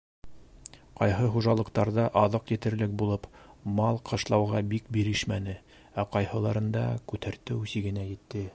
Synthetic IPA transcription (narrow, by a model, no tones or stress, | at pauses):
qɑjɦɤχuʒɑlˠɤ̆qt̪ɑɾðɑʔɑðɤqjɘ̆t̪ɘ̆ɾlɘk̚bulˠɤpmɑlˠqʰɤ̆ʃlˠɑwʁɑbik̚biɾɘʃmænɘ | æqɑjhɤ̆lˠɑɾɤ̆nd̪ɑ̰kʉt̪ʰæɾt̪ɘʉsiɡɘ̆næjɘ̆t̪ːɘ